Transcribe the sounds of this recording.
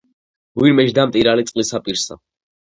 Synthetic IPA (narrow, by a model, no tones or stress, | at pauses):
wiɾmɛd͡ʒd̪amt̪ʼiɾalit̪sʼqʼlisapʼiɾsa̰